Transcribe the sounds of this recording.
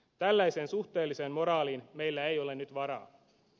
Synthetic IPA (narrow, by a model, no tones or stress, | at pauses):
t̪ælːæjse̞ːnsuxt̪e̞ːlːiseːnmo̞ɾɑːliːnme̞jlːæejo̞le̞nyt̪ʋɑɾɑ̰ː